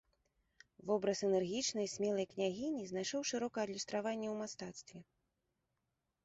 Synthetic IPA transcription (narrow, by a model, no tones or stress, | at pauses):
vɔbɾɐsɛnɛrɣʲit͡ʂnɐjsʲmʲɛlˠɐjknʲaɣʲinʲiznajʂɔwʂɨɾɔkɐɐd̪lʲist̪ɾavanʲːɛwmast̪at̪st̪vʲɛ